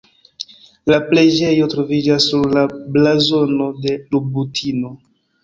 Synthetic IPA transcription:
lapled͡ʒe̞jo̞tɾo̞vid͡ʒasːuɾlablazo̞no̞de̞lubutʰino̞

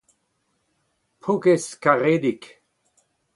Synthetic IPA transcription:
pʰukeskaʁed̪ik

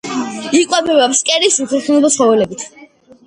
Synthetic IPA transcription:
ikʼwɛbɛvɛpskʼɛɾisut̪ʰɛχunɛbɔsχɔvɛlɛbit̪ʰ

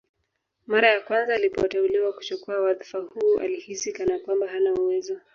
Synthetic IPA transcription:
maɾajakwanzaːlipɔ̰tɛuliwaku̥t͡ʃukuawaðifahuːʔa̰lihisikanakwambaɦanauwɛzɔ

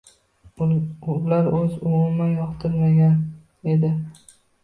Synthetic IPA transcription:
laɾɵzʊmʊmanjɒqt̪ʰɪɾmaɡʲan | e̞d̪ɪ

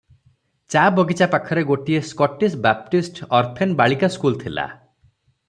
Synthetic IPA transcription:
t͡ʃabɔɡit͡ʃapakʰɔɾeɡoʈieskɔʈːisʈ̚bap̚ʈisʈɔɾt̪ʰenbaɭikaskult̪ʰila̰

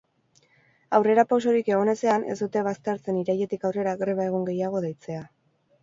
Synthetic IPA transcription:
awre̞ɾapaws̬o̞ɾike̞ɣo̞ne̞se̞ane̞̰sd̪ut̪e̞β̞ast̪e̞ɾt͡se̞niɾaje̞t̪ikawre̞ɾaɣɾe̞β̞ae̞ɣ̞o̞ŋɡe̞jaɣ̞o̞ðejt͡se̞a

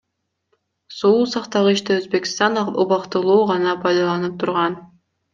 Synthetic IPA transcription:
suusɑqt̪ɑʁɯiʃt̪eøzbe̞kʲi̥st̪ɑnuβɑqt̪ɯlˠuːʁɑnɑpʰɑjd̪ɑlˠɑnɯp̚t̪ʰuɾʁɑn

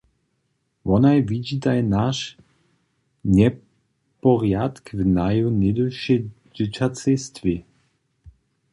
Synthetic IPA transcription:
vɔnajvid͡ʑit̪ajnaʃ | ɲɛ | pɔʁjat̪kvnajunɛd̪əʃɛ | d͡ʑɪt͡ʃat͡sɛst̪vi

